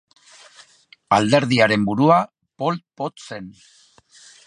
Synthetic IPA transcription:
ald̪e̞ɾðiaɾe̞mbuɾua | po̞lt̪̚po̞t̪se̞n

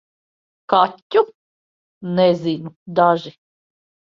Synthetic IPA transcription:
katʲːu | nɛzʲinud̪aʒi

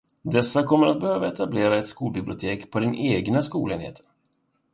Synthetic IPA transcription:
d̪ɛsːakʰɔmːəɾat̪̚bɛhøːvaɛt̪ableːɾaɛt̪skuːlbɪblɪʊt̪ʰeːkpʰɔd̪ɪnʔeːɡnaskṵːleːnhḛːt̪ʰə

